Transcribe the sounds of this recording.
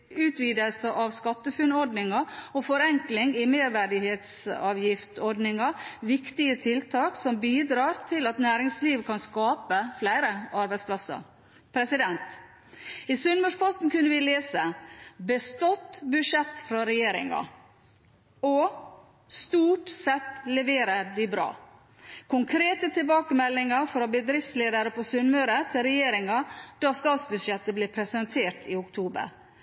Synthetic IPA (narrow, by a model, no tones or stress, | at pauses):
ʉːt̪ʋiːd̪əlsəʔɑʋskɑt̪ːəfʉnɔɖnɪŋɑɔfɔɾɛŋklɪŋɪmeːɾʋæɖɪheːt̪sɑːʋjɪft̪ɔɖnɪŋɑʋɪkt̪ɪət̪ʰɪlt̪ʰɑːksɔmbiːd̪ɾɑːɾt̪ʰɪlɑt̪næːɾɪŋsliːʋkʰɑnskɑːpəflæɪɾəɑɾbæɪspʰlɑsə̰ɾ | pʰɾɛsɪd̪ɛnt̪ | ɪsʉnmɔʂpʰɔst̪nkʉnːəʋɪleːsəbəst̪ot̪bʉʂɛt̪ːfɾɑɾɛjeːɾɪ̰ŋɑ̰ | ɔ | st̪uːʈsɛt̪ːlɛʋeːɾəɾd̪ɪbɾɑ̰ː | kʰʊŋkʰɾeːt̪ət̪ʰɪlbɑːkəmɛlːɪŋɑɾfɾɑbəd̪ɾɪft̪sleːd̪əɾəpʰɔsʏnmʉɾət̪ʰɪlɾɛjeːɾɪŋɑd̪̥ɑst̪ɑːt̪sbʉd̪ʂɛt̪ːəblɪːpʰɾɛsənt̪ʰeːʈɪʊkt̪ʰuːbə̰ɾ